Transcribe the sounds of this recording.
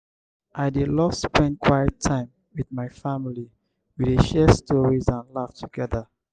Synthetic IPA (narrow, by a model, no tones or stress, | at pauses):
ʔaɪdelɔspɛ̃nd̚kʰwajɛtʰːãɪ̃m | widmaɪfamili | wideʃɛstɔɹizãnlaftʰuɡɛða